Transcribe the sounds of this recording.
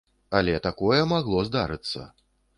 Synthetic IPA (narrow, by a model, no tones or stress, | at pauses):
alʲɛt̪akɔjɛmaɣlˠɔzd̪aɾɨt̪sːɐ̰